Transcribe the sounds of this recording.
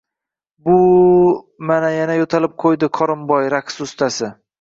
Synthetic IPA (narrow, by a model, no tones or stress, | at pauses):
bʊ | manajanajot̪ʰalɪp̚qʰojd̪ɪkʰɒɾɪmbɒjɾaksʊst̪ʰasɪ